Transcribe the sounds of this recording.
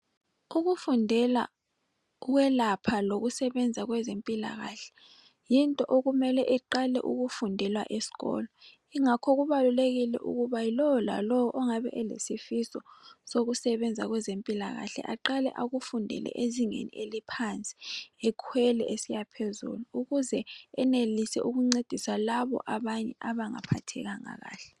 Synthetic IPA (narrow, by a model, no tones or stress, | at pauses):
uɣufundʱɛla̰ | uɣwɛlapʰaloɣusɛβɛnd͡zʱaɣwɛzempʼila̰ɣaɬɛ̥ | jintʼɔʔoɣumɛlɛʔiǃalɛ̰ʔuɣufundʱɛlwa̰ʔesi̥ɣɔ̰ːlɔ | iŋakʰɔɣuβaluleɣilɛ̰ʔṵɣuβailɔɔla̰lɔwɔʔɔŋaβɛ̰ʔɛlḛsifisɔsoɣusɛβɛnd͡zʱaɣwɛzempʼilaɣa̰ɬɛ̰ʔaǃalɛ̰ʔaɣufundʱɛ̰lɛ̰ʔeziŋḛnḭelipʰant͡sʼi̥ɛkʰwɛlɛʔesijapʰezṵluuɣuzɛɛnelisɛ̰ʔuɣuŋ͡ǀed̥ʱisalaβɔ̰ʔaβaɲɛ̰ʔaβaŋa̰pʰatʰɛ̰ɣaŋa̰ɣa̰ːɬɛ